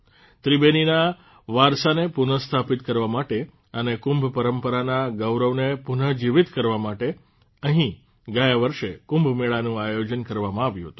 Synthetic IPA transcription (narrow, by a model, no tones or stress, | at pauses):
t̪ɾibenina | ʋaɾsanepunəst̪ʰapit̪kəɾʋamaʈe | ənekʊ̃mbʱpəɾəmpəɾanaɡəwɾəʋnepunəd͡ʒiʋit̪kəɾʋamaʈe | əɦĩ | ɡajaʋəɾʃekʊ̃mbʱmeɭanũajod͡ʒənkəɾʋamãaʋjũɦət̪ũ